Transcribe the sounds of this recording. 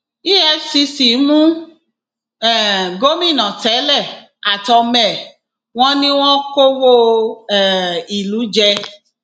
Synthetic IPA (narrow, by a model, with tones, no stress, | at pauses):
i˦ɛ˧fsi˧si˨˦mũ˦ | ɛ˨ɡo˦mĩ˦˨nɔ̃˨tɛ˨˦lɛ˦˨ | a˨tɔ˧mɛ̃˨ | w̃ɔ̃˦nĩ˦w̃ɔ̃˦ko˦wo˦˨ | i˨lu˨˦d͡ʒɛ˧